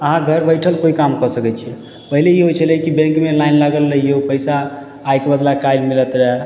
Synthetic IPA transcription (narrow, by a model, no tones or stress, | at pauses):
əɦãɡʱəɾbəjʈʰəlkoikamkəsəkɛt͡ʃʰiɛ | pəɦileiɦojt͡ʃʰəlkibẽŋkmelajnlaɡəlːəijopəjsaː | jkebəd̪lakajlmilət̪ɾɛ